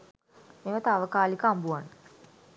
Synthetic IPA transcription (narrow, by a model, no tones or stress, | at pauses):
meʋət̪aʋəkaːlikambuanə